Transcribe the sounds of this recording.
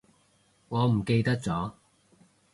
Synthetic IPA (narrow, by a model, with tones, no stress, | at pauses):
ŋɔː˨˧m̩˨˩ke˧jt̪ɐ˥k̚t͡sɔː˨˥